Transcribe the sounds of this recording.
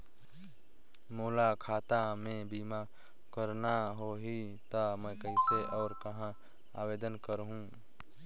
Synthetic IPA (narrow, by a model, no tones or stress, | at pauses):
moːlakʰaːt̪amẽbiːma | kəɾnaɦoɦi | t̪amə̃kəɪseʔɔːɾkɐɦã | a̰ːweːd̪ənkəɾɦũ